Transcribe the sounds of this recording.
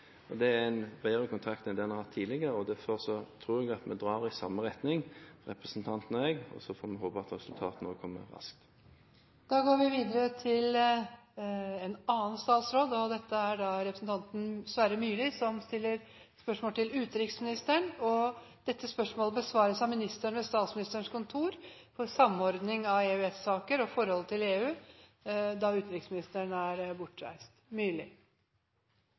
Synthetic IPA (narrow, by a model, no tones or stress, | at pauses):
ɔd̪ɛæɾɛnbæɪʁəkʰʊnt̪ʰɾɑkt̪mɛd̪ɛnɑhɑt̪ʰːiːlɪɡəɾəɔd̪æɾfɔɾsɔt̪ʰɾuːɾɛɡɑt̪mɛd̪ɾɑːɾɪsɑmːəɾɛt̪nɪŋʁɛpɾəsn̩t̪ʰɑnt̪nəɛɡɔ̰sɔfoːɾmɛɦoːpəɑt̪ɾɛsʉlt̪ʰɑːt̪noːkʰɔmːə̰ʋɑ̰sk̚t̪ | d̪̥ɑːɡoːɾʋɪʋiːd̪əɾət̪ʰɪl | ɛnɑːənst̪ɑːlsɾoːd̪ɔd̪ɛt̪ːəæɖɑɾɛpɾəsn̩t̪ʰɑnt̪n̩sʋæɾəmyːlɪsɔmst̪ɪlːəɾ | spœʂmoːlt̪ʰɪlʉːt̪ɾɪksmɪnɪst̪əɳɔ | d̪̥ɛt̪ːəspœʂmoːləbəsʋɑːɾəsɑmɪnɪst̪əɳʋɛst̪ɑːt̪smɪnɪst̪əɳʂkʊnt̪ʰuːɾ | fɔɾsɑmːɔɾd̪nɪŋɑʋeːʉɛt̪sɑːkəɾɔfɔɾhɔlt̪ʰɪleːʉː | d̪ɑʉːt̪ɾɪksmɪnɪst̪əɳæɾbʊʈːɾæ̰ɪst̪myːlɪ